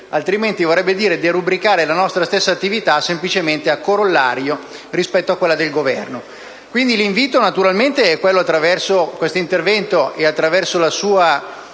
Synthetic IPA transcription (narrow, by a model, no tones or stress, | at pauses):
alt̪ɾiment̪ivorːɛbːed̪iːɾed̪irubɾikaːɾelanɔst̪ɾast̪esːaːt̪ːivit̪asemplit͡ʃement̪eakːoɾolːaɾjo | rispɛt̪ːoakːwelːad̪elɡovɛrno | kwind̪iliɱviːt̪onat̪uɾalment̪eɛkːwelːoat̪ːɾavɛrsokwest̪oint̪ervɛnt̪oeat̪ːɾavɛrsolasuːa